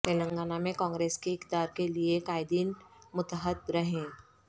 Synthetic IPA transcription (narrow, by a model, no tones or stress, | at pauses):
t̪eːlə̃ŋɡaːnamẽkɔ̃ːŋɡɾeːskeɪkd̪aːɾkeliekaːɪd̪iːnmʊt̪əɦət̪ɾəɦẽː